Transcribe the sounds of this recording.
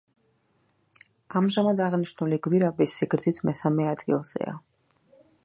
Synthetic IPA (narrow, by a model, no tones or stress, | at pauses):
amʒamad̪aʁniʃnuliɡwiɾabisːiɡɾd̪zit̪ʰmɛsamɛad̪ɡilˠz̥ɛ̰a̰